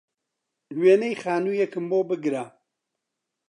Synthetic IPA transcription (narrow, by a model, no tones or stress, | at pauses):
lweːnejxaːnujɛkɨmboːbɨɡɾa